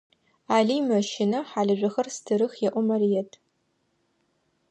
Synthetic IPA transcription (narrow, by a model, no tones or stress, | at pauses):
aːɮiːmɐʃɪnɐħaːɮɐʒʷɐxɐrstʰɨɾɨxjɛʔʷɔmɐrijɛtʰ